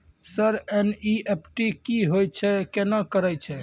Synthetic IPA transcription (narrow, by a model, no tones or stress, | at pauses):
səɾeniepʰʈikiɦojt͡ʃʰɛkenakəɾəjt͡ʃʰɛ